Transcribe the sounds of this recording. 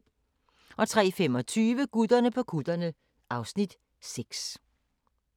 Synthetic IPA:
ʔɒ̽t͡sʰʁɛ̰ːfemɒ̽t͡sʰyːʋəɡ̥ud̥ɐnəpʰɒ̽kʰud̥ɐnə | ʔɑ̈ʊsnid̥ | seɡ̥s

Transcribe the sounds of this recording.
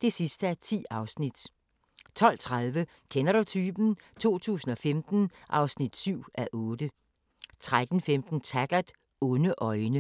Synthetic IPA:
d̥e̝sisd̥əæɐt͡sʰḭːɑ̈ʊsnid̥ | t͡sʰɒ̽l̰t͡sʰʁaðˠʋə | kʰenɐɾ̥ut͡sʰyːb̥n̩t͡sʰo̝̰ːt͡sʰṵːsn̩ɒ̽femd̥n̩ʔɑ̈ʊsnid̥syʊ̰æʔɔːd̥ə | t͡sʰʁad̥n̩femd̥n̩t͡sʰæɡ̥ɐd̥ | ɔ̽nəʔɒ̽ɪnə

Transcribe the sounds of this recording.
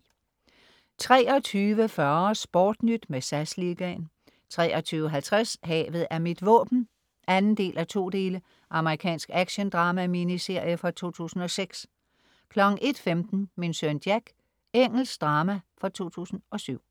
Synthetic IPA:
t͡sʰʁɛːɒ̽t͡sʰyːʋəfɶɐsb̥ɒːd̥nyd̥mesæsliɡ̥æn | t͡sʰʁɛ̰ːɒ̽t͡sʰyːʋəɦælt͡sʰʁashɛ̰ːʋð̞̩ˠæɐmid̥ʋɔ̰̽ːb̥n̩ | ʔænn̩d̥e̝̰ːlʔæt͡sʰo̝̰ːd̥e̝ːlə | ʔɑ̈məʁikʰɛ̰ːnsɡ̥æɡ̥ɕənd̥ʁɑ̈ːmæminise̝ɐ̰jəfʁɑ̈t͡sʰo̝̰ːt͡sʰṵːsn̩ɒ̽seɡ̥s | kʰlɒ̽ɡ̥ŋ̩ʔe̝d̥femd̥n̩minsønd̥jæɡ̥ | eŋ̰l̩sɡd̥ʁɑ̈ːmæfɒt͡sʰo̝̰ːt͡sʰṵːsn̩ʔɒ̽syʊ̰

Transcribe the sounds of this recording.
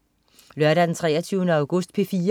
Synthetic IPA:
lœɐɾædent͡sʰʁɛ̰ːɐt͡sʰyʊnəɑ̈ʊɡ̥ɔ̽sd̥̚pʰe̝fiː

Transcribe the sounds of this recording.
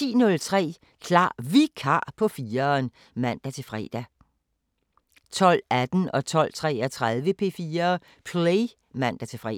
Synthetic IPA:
ḭːnɔ̽lt͡sʰʁɛ̰ː | kʰlɑ̰̈ːʋikʰɑ̰̈ːpʰɒ̽fiːɐn | mæn̰d̥æt͡sʰe̝lfʁɛ̰d̥æ | t͡sʰɒ̽l̰æd̥n̩ɒ̽t͡sʰɒ̽l̰t͡sʰʁɛ̰ːæt͡sʰʁaðˠʋəpʰe̝̰ːfiːɐː | pʰle | mæn̰d̥æt͡sʰe̝lfʁɛ̰

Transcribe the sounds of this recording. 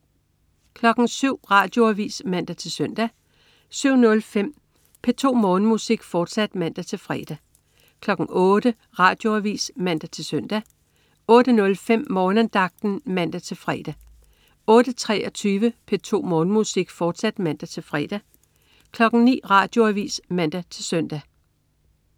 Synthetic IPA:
kʰlɒ̽ɡ̥n̩syʊ̰ʁɑ̈ːd̥jo̝æʋḭːsmæn̰d̥æt͡sʰe̝lsœn̰d̥æ | syʊ̰nɔ̽lfem̰ | pʰe̝t͡sʰo̝̰ːmɔ̽ːnəmusiɡ̥fɒːd̥sæd̥mæn̰d̥æt͡sʰe̝lfʁɛːd̥æ | kʰlɒ̽ɡ̥n̩ʔɔ̽ːɾ̥ə | ʁɑ̈ːd̥jo̝æʋḭːsmæn̰d̥æt͡sʰe̝lsœn̰d̥æ | ɔ̽ːd̥ənɔ̽lfem̰mɒːnənd̥ɑ̈ɡ̥̚d̥n̩mæn̰d̥æt͡sʰe̝lfʁɛ̰ːd̥æ | ɔ̽ːd̥ət͡sʰʁɛɒt͡sʰyːʋəpʰe̝t͡sʰo̝̰ːmɔːnmusiɡ̥fɒːd̥sæd̥mæn̰d̥æt͡sʰe̝lfʁɛ̰d̥æ | kʰlɒ̽ɡ̥n̩nḭːʁɑ̈ːd̥jo̝æʋḭːsmæn̰d̥æt͡sʰe̝lsœn̰d̥æ

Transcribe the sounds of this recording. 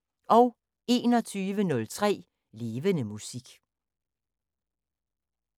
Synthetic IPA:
ʔɒʊ | e̝̰ːnɒ̽t͡sʰyːʋənɔ̽lt͡sʰʁɛ̰ː | le̝ːʋənəmusiɡ̥

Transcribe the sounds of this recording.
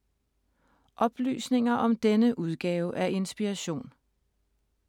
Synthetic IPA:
ʔɒ̽b̥ly̰ːsne̝ŋɐʔɒ̽md̥enəʔuð̞ˠɡ̥ɛːʊəʔæɐʔe̝nsb̥iʁɑɕo̝̰ːn

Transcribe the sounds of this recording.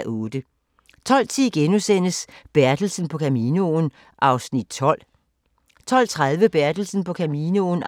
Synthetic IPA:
ʔɔːd̥ə | t͡sʰɒ̽l̰t͡sʰiɡ̥enusen̰əsb̥æɐd̥l̩sn̩pʰɒ̽kʰæmiːnon | ʔɑ̈ʊsnid̥̚t͡sʰɒ̽l̰ | t͡sʰɒ̽l̰t͡sʰʁað̞ˠʋəb̥æɐd̥l̩sn̩pʰɒ̽kʰæmiːnon

